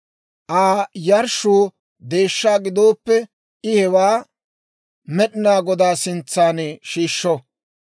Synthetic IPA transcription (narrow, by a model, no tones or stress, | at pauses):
ʔaːjɐɾʃuː | d̪e̞ːʃːaːɡɪd̪o̞ːpːɛ | ʔɪhɛwaː | mɛɗɪnaːɡɔd̪aːsɪnt͡sːaːnɛʃiːʃːɔ